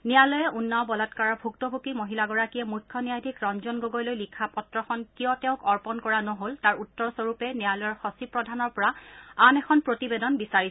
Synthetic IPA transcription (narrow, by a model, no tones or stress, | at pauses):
nijalɔjɛunːawbɔlatkaɹabʱuktɔbʱukimoɦilaɡɔɹakijɛmujkʰːɔnijajdʱikɹɔnzɔnɡoɡɔjlojlikʰapɔtɹɔxɔnkijɔtɛ̃ʊ̃kɔɹpɔnkɔɹanɔɦoltaɹutːɔɹsoɹupɛnijalɔjɔɹxɔsipɹɔdʱanɔɹpɔɹaanɛkʰɔnpɹotibedɔnbisaɹisɛ̥